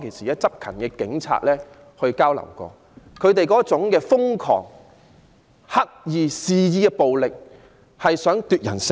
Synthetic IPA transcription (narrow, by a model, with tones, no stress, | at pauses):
kʰe˨˩jsiː˨˩jɐ˥t̚t͡sɐ˥p̚kʰɐ˨˩nkɛː˧kɪ˨˥ŋt͡sʰa̰ː˧t̚lɛː˥ | hɵ˧ɥkaː˥wlɐ̰˨˩wkɔ̰ː˧ | kʰɵ˨˧ɥt̪e˨jkɔː˨˥t͡sʊ˨˥ŋkɛː˧fʊ˥ŋkʰɔ̰ː˨˩ŋ | hɐ˥k̚jiː˨˧siː˧jiː˧kɛ˧po˨wlɪ˨k̚ | hɐ˨jsœː˨˥ŋt̪yː˨t̚jɐ̰˨˩ns